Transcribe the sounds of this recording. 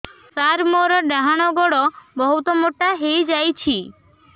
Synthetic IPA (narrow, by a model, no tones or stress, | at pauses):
saɾmoɾɔɖaɦaɽ̃oɡɔɽobəɦut̪omoʈaɦejd͡ʒajt͡ʃʰi